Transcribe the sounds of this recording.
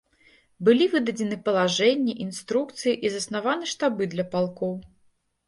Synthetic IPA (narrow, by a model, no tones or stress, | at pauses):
bɨlʲivɨd̪ɐd͡zʲɪnɨpɐlˠaʐɛnʲːiʔinst̪ɾukt̪sɨjiʔizɐsnavanɨʂt̪abɨd̪lʲɐpalˠkɔw